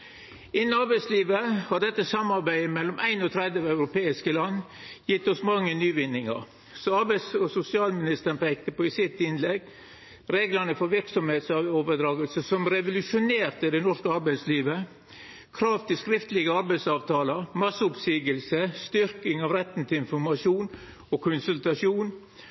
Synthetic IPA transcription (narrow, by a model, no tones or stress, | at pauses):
ɪnːn̩ɑɾbæɪsliːʋəhɑɖɛt̪ːəsɑmːɑɾbæɪəmɛlːɔmʔæɪnɔt̪ʰɾɛd̪əɑʉɾʊpeːɪskəlɑnː | jɪt̪ːɔsmɑŋːənyːʋɪnːɪŋɑ̰ɾ | sɔɑɾbæɪsɔsʊsɪɑːlmɪnɪst̪əɾɳpæk̚t̪əpɔɪsɪt̪ːɪnlɛɡ | ɾeːɡlənəfɔɾʋɪɾksɔmheːt̪sɑoːʋəd̪ɾɑːɡəlsəsɔmɾɛʋʊlʉʂʊneːɾt̪əd̪ɛnɔʂkəɑɾbæɪsliːʋə | kʰɾɑːʋt̪ɪskɾɪft̪əlɪɡəɑɾbæɪsɑːʋt̪ʰɑːləɾmɑsəʊpsiːɡəlsəst̪ʏɾkɪŋɑʋɾɛt̪ːn̩t̪ʰɪlɪnfɔɾmɑʂuːn | ɔkʰʊnsʉlt̪ɑʂjuːn